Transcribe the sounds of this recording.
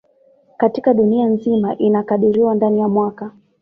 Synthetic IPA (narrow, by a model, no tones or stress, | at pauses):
katikaɗunianzimaʔinakaɗiɾiwandanijamwaka